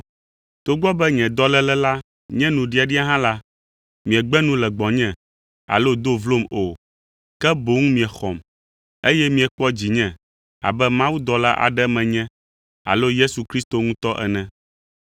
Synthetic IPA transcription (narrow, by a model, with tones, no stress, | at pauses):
t̪o˦ɡ͡bɔ˦bɛ˦ɲɛ̃˨d̪ɔ˦lɛ˦lɛ˦la˦ | ɲɛ̃˦nũ˨ɖi˨a˨ɖi˦a˦ɦã˦la˦ | mĩ˨ɛ˨ɡ͡bɛ˦nũ˦lɛ˨ɡ͡bɔ̃˨ɲɛ̃˦˨ | a̰˨lo˦d̪o˦vlo˦mo˨ | kɛ˦bo˨˦ŋũ˦mĩ˨ɛ˨xɔ̰˨m | e˦jɛ˦mĩ˨ɛ˨k͡pɔ˦d͡ʑi˨ɲɛ̃˨ | a̰˨bɛ˦mã˦wu˦d̪ɔ˨la˦ʔa̰˨ɖɛ˦mɛ̃˨ɲɛ̃˦ | a̰˨lo˦je˦su˨kɾi˦st̪o˨ŋũ˦t̪ɔ˦ʔɛ̰˨nɛ̃˨